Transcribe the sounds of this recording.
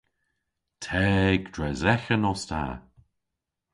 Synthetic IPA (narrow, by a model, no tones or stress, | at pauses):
tʰɛːɡd̥ɹɛzɛxənɔstʰa̰ː